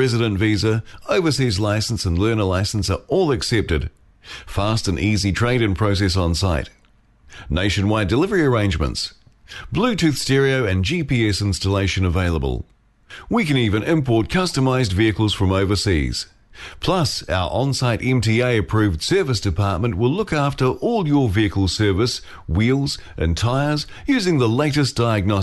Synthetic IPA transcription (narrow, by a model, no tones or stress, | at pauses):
ɹɛzɨɾə̃ntvizəəʊvəsizlaɪsn̩sə̃nlɜ˞nəlaɪsn̩səʔɔlˠəksɛp̚tɨd̥ | fæstɨ̃nʔizitʰɹ̥ẽɪɾɨ̃npʰɹ̥əʊs̬ɛs̬n̩saɪt | neɪʃɨ̃nwaɪdɨlɪvə˞iə˞ẽɪ̃nd͡ʒmə̰̃nts | b̥lʉtʰʉθstɛɹioʊɨ̃nd͡ʒipiɛsɪ̃nstəleɪʃɨ̃nəveɪlˠəbə̰lˠ | wikɨ̃nivɨ̃nʔɪ̃mpʰɔɹt̚kʰʌstəmaɪzdviɨkəl̩ˠz̥fɹʌ̃moʊvə˞sḭz̥ | pʰl̥ʌsa̰ʊə̰˞ʔə̃nsaɪɾʔɛ̃mtʰieɪɨpʰɹ̥ʉvd̥sɜ˞vɨsd̥ɨpʰɑɹt̚mə̃nʔwɪlʊkæftə˞ʔɔlˠjə˞viɨkəl̩ˠsɜ˞vɨs | wilˠzʔɨ̰̃ntʰaɪə˞z | jʉzɪ̃ŋðəleɪɾɨsd̥aɪɨɡ̚nɑ